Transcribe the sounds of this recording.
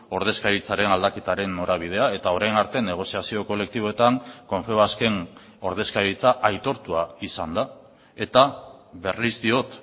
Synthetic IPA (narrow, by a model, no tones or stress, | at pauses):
o̞ɾðe̞skaðit͡saɾe̞nald̪ake̞t̪aɾe̞nːo̞ɾaβ̞ið̞e̞ae̞t̪ao̞ɾajnaɾt̪e̞ne̞ɣ̞o̞siasio̞ko̞le̞k̚t̪iβo̞e̞t̪aŋko̞ɱfe̞oaske̞ŋ | o̞ɾð̞e̞skaðit͡saʔajt̪o̞ɾt̪uaisand̪a | e̞t̪aβe̞rizd̪io̞t̪